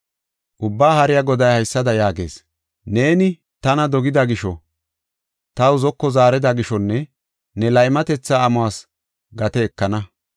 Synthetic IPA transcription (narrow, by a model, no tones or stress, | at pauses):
ʔʊbːaːhɐɾɪjɐɡɔd̪ɐjhɐjsːɐd̪ɐjaːɡe̞̰ːs | ne̞ːnɪ | t̪ɐnɐd̪ɔɡɪd̪ɐɡɪʃɔ | t̪ɐwʊzɔkːɔzaːɾɛd̪ɐɡɪʃɔnːɛ | nɛlɐjɪmɐt̪ɛt͡sːaːmʊwaːs | ɡɐt̪ɛːkːɐnɐ